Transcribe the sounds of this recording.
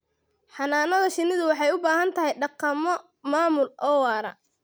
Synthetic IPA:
ħɑnaːnɐðɐʃɪnɪðʊwɑħɑjʊbaːɦɐnt̪ʰɐɦɛjɖɑqːɑmɔ | maːmʊlʔɔːwɑːɾɐ̰

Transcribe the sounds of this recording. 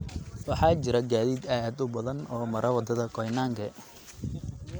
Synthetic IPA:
wɑħɑːt͡ʃɪɾɐɡaːðiːd̪aːd̪ʊbɐðɐnɔːmɐɾʔɐwɐd̪ɐðɐkʰɔjnaːŋɡʰɛ

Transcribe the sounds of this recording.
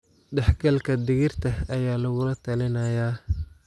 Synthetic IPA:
ɖɛħɡʰɐlkʰɐd̪ɪɣɪrt̪ʰɐɐjaːlɐɣʊlɐt̪ʰɐlɪnɐjaː

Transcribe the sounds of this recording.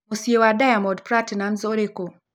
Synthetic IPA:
mosiewadajamɔdpɾatnanzoɾeko

